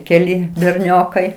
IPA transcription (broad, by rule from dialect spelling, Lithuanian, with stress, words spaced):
kʲɛˈlʲɪ bʲɛrʲˈnʲoːkɐɪ